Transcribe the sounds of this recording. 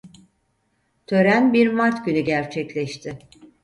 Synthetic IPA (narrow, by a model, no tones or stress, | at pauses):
t̪ʰø̞ɾænbiɾmaɾt̪ɟynyɟæɾt͡ʃʰɛclʲɛʃt̪ʰɪ